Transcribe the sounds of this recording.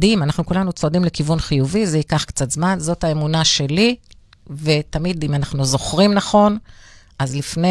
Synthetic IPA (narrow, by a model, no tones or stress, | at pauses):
dimanaχnukulanut͡soadimlekivunχijuvizeikaχkt͡sat̪zmanzo̞thaemunaʃe̞li | ve̞t̪amid̪imanaχnuzo̞χʁimnaχo̞n | ʔazlifne